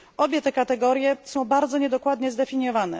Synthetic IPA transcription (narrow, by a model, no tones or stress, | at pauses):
ʔɔbʲjɛt̪ɛkat̪ɛɡɔɾjɛsɔ̃w̃baɾd̪zɔɲɛd̪ɔkwad̪ɲɛzd̪ɛfʲiɲjɔvanɛ